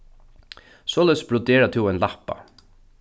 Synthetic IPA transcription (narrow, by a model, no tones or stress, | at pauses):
soːlɛsb̥ɹʊd̪eːɾat̪ʰɪːɛnlapa̰